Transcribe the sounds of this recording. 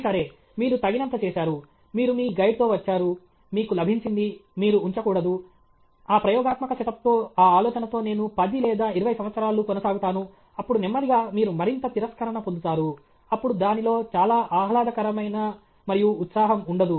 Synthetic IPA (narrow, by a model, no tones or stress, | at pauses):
sɐɾe̞ː | miːɾut̪ɐɡinɐnt̪ɐt͡ʃeːʃaːɾu | miːɾumiːɡɐjɖt̪o̞ːʋɐt͡ʃːaːɾu | miːkulɐbʱiɲt͡ʃind̪imiːɾuːɲt͡ʃɐkuːɽɐd̪u | aːpɾɐjɔːɡaːt̪mɐkɐsɛʈ̪ɐp̚t̪o̞ːaːaːlɔːt͡ʃɐnɐt̪o̞ːne̞ːnupɐd̪ilɛːd̪aːiɾuʋɐjsɐmʋɐt̪sɐɾaːlːukɔnɐsaːɡut̪aːnu | ɐpːuɽunimːɐd̪iɡaːmiːɾumɐɾint̪ɐt̪iɾɐskɐɾɐnɐpond̪ut̪aːɾu | ɐpːuɽud̪aːnilo̞ːt͡ʃaːlaːʔaːɦlaːd̪ɐkɐɾɐmɐjnɐ | mɐɾijuːt̪saːɦɐmuɳɖɐd̪u